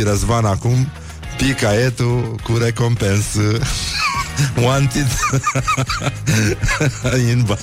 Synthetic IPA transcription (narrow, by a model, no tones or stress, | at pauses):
iɾɐzvanakum | pikaet̪ukuɾekompensɨ | want̪id̪ | inba